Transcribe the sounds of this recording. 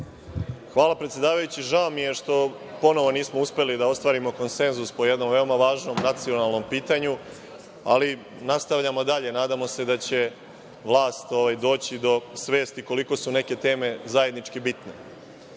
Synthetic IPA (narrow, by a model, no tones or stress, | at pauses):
xʋaːlapɾet̪sʲjed̪aːʋajut͡ɕiʒaomijeʃt̪o̞ | po̞no̞ʋo̞niːsmouspe̞lid̪ao̞st̪ʋaːɾimo̞ko̞nse̞nzuspo̞je̞d̪no̞mʋe̞omaʋaːʒno̞mnat̪sio̞nalˠno̞mpiːt̪aɲu | a̰li | nast̪aʋʎamo̞d̪aʎe̞naːd̪amo̞se̞d̪at͡ɕe̞ | ʋlˠaːst̪o̞ʋajd̪o̞ːt͡ɕid̪o̞sʋe̞ːst̪iko̞liko̞sune̞ke̞t̪e̞ːme̞zaje̞d̪nit͡ʂkibit̪ne̞̰